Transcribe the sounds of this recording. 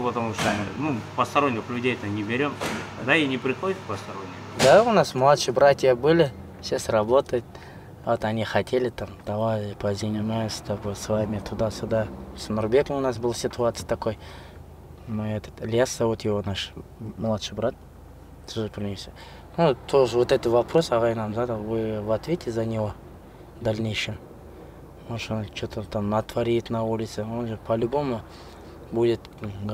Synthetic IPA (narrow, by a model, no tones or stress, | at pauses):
pət̪ɐmuʂt̪onupɐst̪ɐɾonʲːkəxlʲʊdʲejt̪ənʲɪbʲɪɾʲomd̪ainʲɪpɾʲɪxot̪pɐst̪ɐɾonʲːɪd̪aʊnasmlˠat̪ʂɨjbɾat̪ʲjəbɨlʲɪ | ɕasʲrɐbo̞t̪əjt̪̚ | vot̪ɐnʲixɐtʲelʲɪt̪amt̪ɐvaɾʲpɐzʲɪnʲɪnajsʲt̪abosvamʲɪt̪ʊd̪asʲʊd̪asmɐrbʲekəmʊnas̬bɨlˠsʲɪt̪ʊat̪sɨjət̪ɐko̞j | mɛt̪ə̥t̪lʲjasavot̪jewonaʂməlˠat̪ʃɨbəɾat̪̚ | t̪ʰʊʒəpʰʲɪrnʲesʲɪ | nut̪ʰoʐəvwot̪ɛt̪ət̪vapɾo̞sɑʁɑjənamzad̪əvɨvat̪vʲetʲʰɪzanʲɪvo | d̪alʲnʲejʃɪn | onʃɨnt͡ʃʰot̪ət̪amnat̪vaɾʲijt̪naulʲɪt̪sɨonʒɨpʰalʲbomə | budʲɪt̪